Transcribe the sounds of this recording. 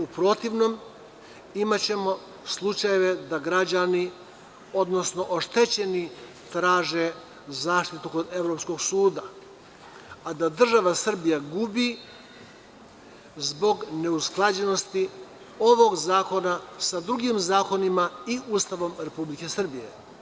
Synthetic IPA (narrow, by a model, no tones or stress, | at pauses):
upɾo̞t̪iʋno̞m | imat͡ɕe̞mo̞ | slˠut͡ʃajeʋe̞d̪aɡɾad͡ʑani | o̞d̪no̞sno̞ʔoʃt̪e̞t͡ɕe̞ni | t̪ɾaːʒe | zaːʃt̪it̪uko̞d̪e̞ʋɾo̞psko̞ɡsuːd̪a | ad̪ad̪r̩ʒaʋasr̩bijaɡubi | zbo̞ɡne̞usklˠad͡ʑe̞no̞st̪i | o̞ʋo̞ɡzaːko̞nasad̪ɾuɡimzaːko̞nimaiuːst̪aʋo̞mɾe̞publike̞sr̩bije̞̰